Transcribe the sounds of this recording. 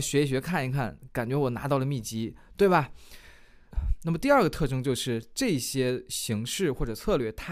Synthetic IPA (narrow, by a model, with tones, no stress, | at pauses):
ɕɥɛ˧˥i˧˩ɕɥɛ˧˥kʰa˥˩ni˧˥kʰa˥˩nka˨˩nt͡ɕɥɛ˧˥wɔ˨˩na̰˧˥t̪ɑ˥˩lə˩mi˥˩t͡ɕi˥t̪we˥˩ɪbɐ˩ | na˥˩mə˩t̪i˥˧ɐ˞˥˩ɡə˩t̪ʰɤ˥˩ʈ͡ʂɤ˥ŋt͡ɕjo˥˧ʊʂɻ̩˥˧ʈ͡ʂɤ˥˩˧ɕjɛ˥ɕi˧˥ŋʂɻ̩˥˧xwɔ˥˩ʈ͡ʂɤ˨˩t͡sʰɤ˥˧lɥɛ˥˩t̪ʰ